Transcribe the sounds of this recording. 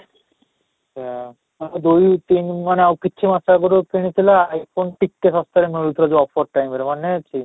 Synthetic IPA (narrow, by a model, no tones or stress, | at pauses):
t͡ʃa | maned̪ujt̪inmaneawkitːʰimasaɡoɾopʰeɽ̃it̪ʰilaajpʰonʈikːesɔst̪aɾemeɾut̪ʰɾad͡ʑuɔpʰɔɾʈajmeɾmanet͡ɕi